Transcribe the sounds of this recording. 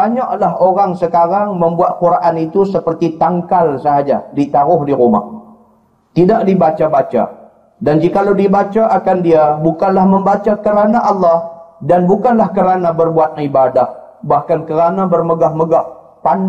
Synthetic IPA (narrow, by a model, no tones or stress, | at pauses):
aɲaʔlaɦoɾaŋsəkaɾaŋməmbuat̪̚kuɾaʔanit̪usəpərt̪it̪aŋkalsəɦad͡ʒa̰dit̪aɾʊhdiɾuma̰h | t̪idaʔdibat͡ʃabat͡ʃa̰ | dand͡ʒikalawdibat͡ʃaʔakandiabukanlahməmbat͡ʃakəɾanaʔɑlːɑhdanbukanlahkəɾanabərbuat̪̚naibadahbahkankəɾanabərməɡahməɡah | pan